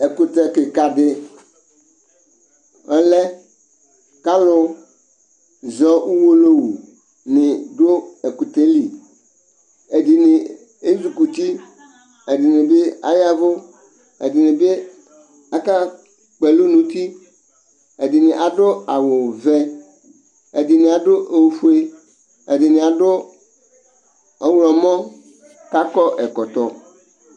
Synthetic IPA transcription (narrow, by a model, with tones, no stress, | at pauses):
e˨ku˨t̪ɛ˨kɪ˨ka˨dɪ˦ | ɛ˦lɛ˦ | ka˦lʊ˦ | zɔ˦u˦wo˦lo˦wu˨ | nɪ̃˨do˦e˨ku˨t̪e˦li˨ | e˨di˨nɪ˨ | e˦zu˨ku˨t̪i˦ | e˨dɪ˨nɪ̃˨be˦a̰˦ja˦vʊ˦ | ḛ˨dɪ˨nɪ̃˨be˦ | a˦ka˦ | k͡pɛ˨lu˦nũ˨t̪i˦ | e˨di˨nɪ̃˨ʔa˨ɖʊ˦a˨wʊ˨vɛ˦ | e˨di˨nɪ̃˨a˨ɖo˦ʔe˨wfu˦e˦ | ḛ˨dɪ˨nɪ̃˨a˨ɖʊ˦ | ɔ˦wlɔ̃˨mɔ̃˦ | ka˦kɔ˦ʔɛ˨kɔ˨t̪ɔ˨